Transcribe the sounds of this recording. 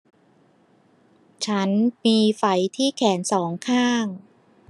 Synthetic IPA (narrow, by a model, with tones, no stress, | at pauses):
t͡ɕʰa˦˥nmiː˧fa˩˦jt̪ʰiː˥˩kʰɛː˩˦nsɔː˩˦ŋkʰaː˥˩ŋ